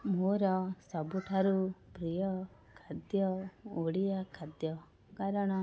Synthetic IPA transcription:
moɾɔsɔbuʈʰaɾupɾijɔ | kʰad̪jɔoɽijakʰad̪jɔ | kaɾɔɽ̃ɔ

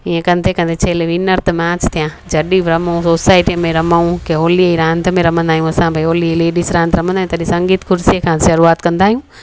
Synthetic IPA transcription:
iẽkɐ̃nt̪ʰekɐ̃nd̪et͡ɕʰɐɦleʋinɐɾt̪ʰmãːt͡ɕt̪ʰijãːd͡ʑɐɗibɾɐmaũsoːsaːɪʈijmẽɾɐmaũkeɦoːliiɾãːnt̪ʰmẽɾɐm̤ə̃nd̪aːɦijũɐsãbʱaiɦoːliileːɖiːsɾãːnt̪ɾɐmə̃nd̪aːĩũt̪ɐɗĩsɐ̃ŋɡiːt̪kʰʊɾsiekʰãːʃɐɾuaːt̪kɐ̃nd̪aːɦijũː

